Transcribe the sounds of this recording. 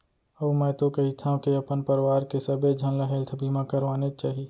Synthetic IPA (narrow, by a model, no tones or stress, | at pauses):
əmɛ̃ːt̪okɐɦit̪ʰãkeɐpənpəɾʋaːɾkesɐbed͡ʒʱɐnlaɦeːlt̪ʰbʱiːmãkəɾʋaːnet͡ʃaːɦi